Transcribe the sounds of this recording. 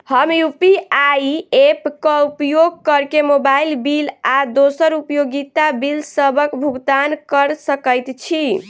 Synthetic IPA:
həmjupiajepkəupjoɡ̚kəɾkemobailbilad̪osəɾupjoɡit̪abilsəbəkbʱuɡt̪ankəɾsəkəjt̪t͡ʃʰi

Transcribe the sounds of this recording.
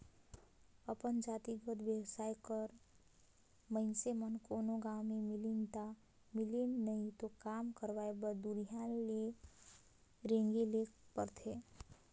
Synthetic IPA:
əpənd͡ʒat̪iɡəd̪bjəwsajkəɾ | mənsemənkonoɡawmemilint̪a | milinːəit̪okamkəɾʋajbəɾd̪uɾijãle | ɾẽŋɡelekpəɾt̪ʰe

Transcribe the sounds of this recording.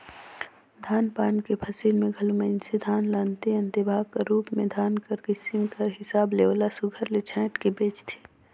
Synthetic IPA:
d̪ʱaːnpaːɳkepʰəsilmẽɡʱɐluməɪnsed̪ʱaːnlaːnt̪iɐ̃nt̪ibʱaːɡkaɾuːpmẽd̪ʱaːnkɐɾɡɪsɪmkɐɾɦɪsaːbleːʋlasʊɡʱəɾlet͡ʃʰɛ̃ːʈkibeːt͡ʃt̪ʰi̥

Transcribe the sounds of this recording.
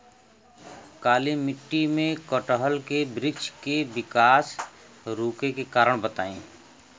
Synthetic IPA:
kaːlimɪʈːimẽkɔʈəɦəlkebɾɪd͡ʒkebɪkaːs | ɾuːkekekaːɾəɽ̃bət̪aːĩː

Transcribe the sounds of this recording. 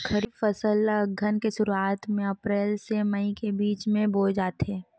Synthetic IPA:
kʰəɾiːfəsəlɡʱənkesʊɾuaːt̪mẽɐpɾɛːlseməikebiːt͡ʃmẽboːd͡ʒaːt̪ɦeː

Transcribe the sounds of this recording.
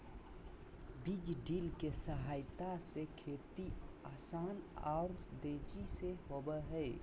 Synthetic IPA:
bid͡ʒɖiːlkesəɦaːɪt̪asekʰeːt̪iaːsaːnɔːɾd̪eːd͡ʒiseɦobəɦɛ

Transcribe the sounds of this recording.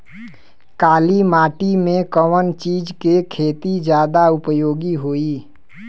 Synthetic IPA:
kaːlimaːʈimẽkəmənt͡ʃiːd͡ʒkekʰeːt̪id͡ʒjaːd̪aʊpjoːɡiɦoːiː

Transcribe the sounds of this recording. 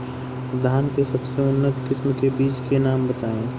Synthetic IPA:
d̪ʱaːnkesɐbseʊnːət̪kɪsmkebiːt͡ʃkenaːmbɐt̪aːẽː

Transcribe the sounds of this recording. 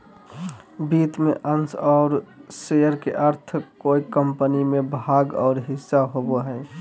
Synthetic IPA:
biːt̪mẽʔənsɔːɾsejəɾkḛʔəɾt̪ʰkoːikəmpənimẽbʱaːɡɔ̰ːɾɦɪsːaɦoboɦɛː

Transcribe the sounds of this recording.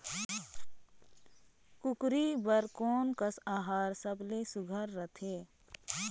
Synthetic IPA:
kʊkɾibəɾkɔːnkəsaːɦaːɾsəblesʊɡʱəɾːət̪ʰeː

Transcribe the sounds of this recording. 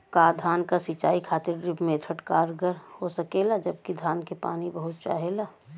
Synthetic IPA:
kaːd̪ʱaːnkasit͡ʃaːikʰaːt̪ɪɾɾɪpmeːt̪ʰəʈkaːɾɡəɾhosɐkelad͡ʒəb̚kid̪ʱaːnkepa̰ːnibəɦʊt̪̚t͡ʃa̰ːɦela

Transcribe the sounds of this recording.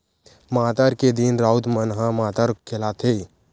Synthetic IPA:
maːt̪aːɾked̪inɾaːʊt̪mənɦãmaːt̪aːɾkʰɪlat̪ʰe

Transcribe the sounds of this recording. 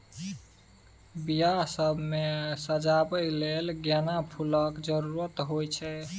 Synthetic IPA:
bijasəbʱmesəd͡ʒabəjlelɡjanapʰuləkd͡ʒəɾuɾət̪ɦojt͡ʃʰɛ

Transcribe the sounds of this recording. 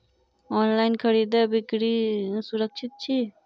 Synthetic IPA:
oːnlaːɪnkʰəɽiːd̪ɛbɪkɽisʊɾəkʃʰɪt̪̚t͡ʃʰiː

